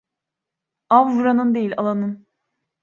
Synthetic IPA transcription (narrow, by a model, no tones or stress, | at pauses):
avvuɾanɯnd̪e̞jilʲalˠanɯn